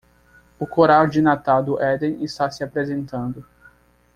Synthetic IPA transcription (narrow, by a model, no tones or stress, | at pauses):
ʊkoɾawd͡ʒinat̪awd̪ʊʔɛd̪ẽist̪asɪapɾezẽnt̪ɐ̃nd̪ʊ